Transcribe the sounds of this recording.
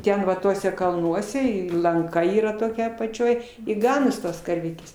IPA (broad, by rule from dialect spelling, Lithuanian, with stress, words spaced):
ˈtʲɛn ʋɐ ˈtuɔsʲɛ kɐlˠˈnuɔsʲɛ iːlˠɐŋˈkɐ ˈiːrɐ toːˈkʲɛ ɐpɐˈt͡ʃʲoːj ɪ ˈɡɑːnoːs ˈtoːs kɐrʲˈʋʲiːtʲeːs